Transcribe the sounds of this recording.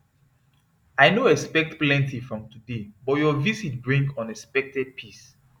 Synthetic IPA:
ajnoɛkspɛk̚tplɛ̃ntʰifɹɔ̃mtudebɔtjɔvisit̚bɹĩŋɡɔ̃nɛkspɛk̚tɛd̚pʰis

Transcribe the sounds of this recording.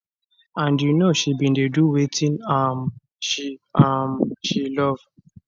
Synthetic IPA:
ãndjunoʃibĩndeduwetʰĩnam | ʃiamʃilɔv̥

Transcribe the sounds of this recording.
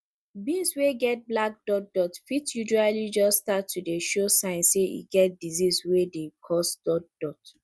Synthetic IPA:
bĩsweɡɛt̚blak̚dɔk̚dɔtfitjuʒualid͡ʒɔstatʰːudeʃosãɪ̃nseḭɡɛt̚diziswedekʰɔsd̥ɔtd̥ɔt

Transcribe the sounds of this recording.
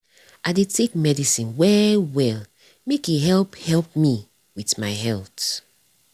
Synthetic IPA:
aɪdetʰek̚mɛdisĩnwɛwɛl | mekiɦɛlphɛlp̚mi | witmaɪɦɛlt

